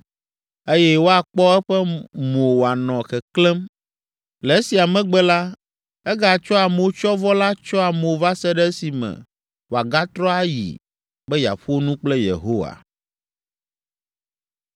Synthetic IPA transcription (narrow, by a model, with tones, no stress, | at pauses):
e˦jɛ˦wo˦a˨k͡pɔ˦ɛ˦ɸɛ˦mo˨wo˨a˨nɔ̃˨xɛ˨klɛ˦m | lɛ˨e˦si˨a˨mɛ̃˦ɡ͡bɛ˦la˦ | ɛ˦ɡa˦˨t͡ʃɔ˦a˨mo˨o˦t͡ʃɔ˦vɔ˦la˦t͡ʃɔ˦a˨mo˨va˦sɛ˦ɖɛ˦si˨mɛ̰̃˨ | wo˨a˨ɡa˦t̪ɾɔ˦a˦jḭ˨ | bɛ˦ja̰˨ɸo˦nũ˦k͡plɛ˦jḛ˨ɦo˦wa̰˨